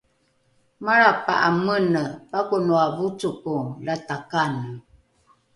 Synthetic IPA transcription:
maɾapa̰ʔamənəpakunuavut͡sukulatakan

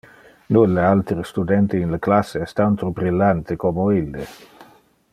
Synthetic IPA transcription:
nulːealt̪ɾest̪ud̪ɛnt̪iinləklasːeɛst̪ant̪obɾilːant̪ekomoilːe

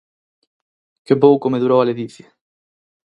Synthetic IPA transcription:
kɪpowkomeðuɾowaleðiθja

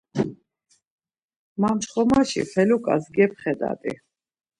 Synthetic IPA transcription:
mamt͡ʃχɔmaʃḭpʰɛlukʼa̰zɡɛp̚ʰχɛd̪a̰d̪ʼi

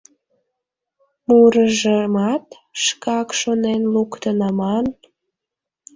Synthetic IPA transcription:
muɾəʒemɑt̪ | ʃkɑkʃonenlukt̪ənɑmɑn

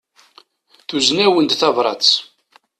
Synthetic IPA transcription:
θuznæwənd̪θɑvɾˤɑ̰t͡s

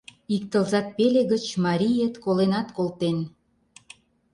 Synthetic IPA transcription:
ik̚t̪ə̆lzɑt̪̚peleɣət͡ɕmɑɾʲijet̪kolenɑt̪kolˠt̪en

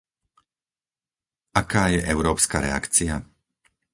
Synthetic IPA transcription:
akaːjɛʔɛʊɾɔːpskaːɾɛ̰a̰kt͡sia

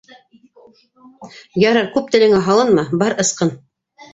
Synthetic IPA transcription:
jɑɾɤɾkʉp̚t̪ɘ̆lɘ̆ŋæɦɑlˠɤnmɤbɑɾɤ̆sqɤn

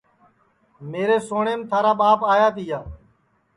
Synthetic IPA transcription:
meːɾeːsoːɳeːmt̪ʰaːɾaːɓaːpaːjaːt̪ijaː

